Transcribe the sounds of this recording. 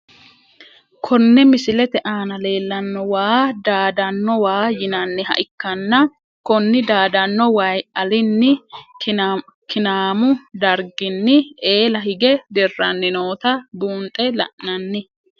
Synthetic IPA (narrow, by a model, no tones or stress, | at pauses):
kʰɔnːɛmɪsɪlɛt̪ɛʔaːnɐle̞ːlːɐnːɔwaːd̪aːd̪ɐnːɔwaːjɪnɐnːɪhɐ̰ʔɪkːɐnːɐ | kɔnːɪd̪aːd̪ɐnːɔwɐjɐlɪnːɪ | kɪnaːmʊd̪ɐɾɡɪnːɪe̞ːlɐhɪɡɛd̪ɛrːɐnːɪno̞ːt̪ɐbuːnt̪ʼɛlɐ̰ʔnɐnːɪ